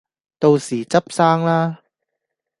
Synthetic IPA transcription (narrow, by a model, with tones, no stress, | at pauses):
t̪o˧wsiː˨˩t͡sɐ˥p̚saː˥ŋlaː˥